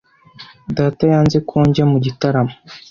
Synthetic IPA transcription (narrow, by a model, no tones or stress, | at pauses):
daːtajaːnzekʰoːɲɟamuɟitaɾamo